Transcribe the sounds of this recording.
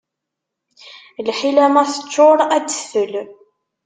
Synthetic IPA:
lħilæmæθə̥t͡ʃːoɾˤædə̥fəl

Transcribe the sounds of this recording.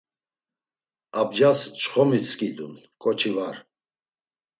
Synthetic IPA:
ab̚d͡ʒast͡ʃʰχɔmit͡sʰʼkʼid̪ṵn | kʼɔt͡ʃʰivaɾ

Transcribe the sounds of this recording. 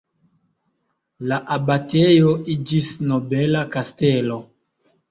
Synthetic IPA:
laʔabatejo̞id͡ʒisno̞belakaste̞lo̞

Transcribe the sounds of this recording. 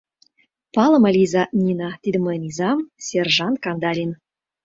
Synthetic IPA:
pɑlˠə̆məlʲizɑnʲinɑt̪ʲid̪əmənʲizɑmsʲerʐɑnt̪kɑnd̪ɑlʲin

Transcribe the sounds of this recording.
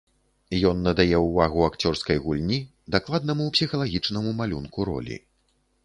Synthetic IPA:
jɔnːɐd̪ajɛwvaɣuakt͡sʲɔrskɐjɣulʲnʲi | d̪aklˠad̪nɐmuːpsʲixɐlˠaɣʲit͡ʂnɐmumalʲunkuɾɔ̰lʲḭ

